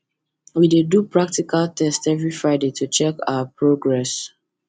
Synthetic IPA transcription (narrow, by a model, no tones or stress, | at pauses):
widedupɹak̚tikaltʰɛstɛvɹifɹaɪdetʰut͡ʃɛka̰apʰɹoɡɹɛs